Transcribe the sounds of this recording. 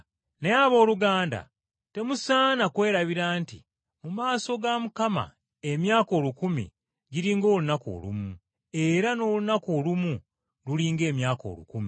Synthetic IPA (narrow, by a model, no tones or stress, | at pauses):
neaβo̞ːluɡaːnda̰ | te̞musaːnakwe̞ːɾaβiɾaːntḭ | mumaːso̞ɡamukama̰ | e̞mjaːko̞ːlukumḭ | ɟiɾiːŋɡo̞ːlunako̞̰lṵmu | e̞ɾano̞ːlunako̞ːlumu | luliːŋɡe̞ːmjaːko̞̰lṵkumi